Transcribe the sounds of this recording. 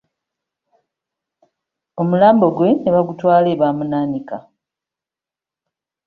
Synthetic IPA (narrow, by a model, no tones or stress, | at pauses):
o̞mulaːmbo̞ɡwe̞neβaɡutwaːle̞βaːmunaːnika